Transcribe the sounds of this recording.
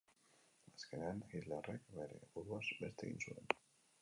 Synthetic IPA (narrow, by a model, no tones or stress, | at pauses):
aske̞neanxit̪lerekbe̞ɾe̞̰βuɾuazbe̞st̪eɣḭnsue̞̰n